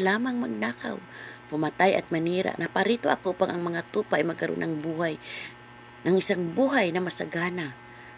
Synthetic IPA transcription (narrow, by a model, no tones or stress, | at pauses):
laːmaŋmaɡ̚naːka̰wpʊmat̪ajʔɐ̰t̪̚maniːɾa̰ʔnapaɾit̪oʔɐkopaŋʔaŋmɐŋat̪upaʔajmɐɡ̚kaɾo̰nʔaŋbuːhaj | nɐŋʔɪsaŋbuːɦajnɐmasaɡaːna